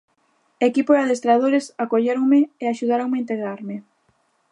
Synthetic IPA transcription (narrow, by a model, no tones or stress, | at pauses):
ekipoaðest̪ɾað̞oɾesakoʎeɾoŋmɪeaʃuð̞aɾoŋmeint̪eɣɾaɾmɪ